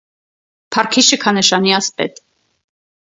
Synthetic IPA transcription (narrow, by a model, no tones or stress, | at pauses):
pʰɑrkʰiʃəkʰɑnəʃɑniɑspɛ̰t̪